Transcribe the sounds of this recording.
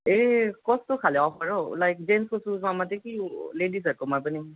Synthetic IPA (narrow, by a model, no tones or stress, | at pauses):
ekɔstʊkʰalɛɔpʰaɹɔlajk̚d͡ʒenskosuzamatɛkiledisakɔmapɔni